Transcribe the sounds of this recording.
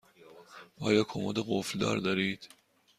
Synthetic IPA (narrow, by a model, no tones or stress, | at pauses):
ʔɒːjɒːkʰomṵːd̪eɣofld̪ɒ̰ːɾd̪ɒːɾiːd̪̥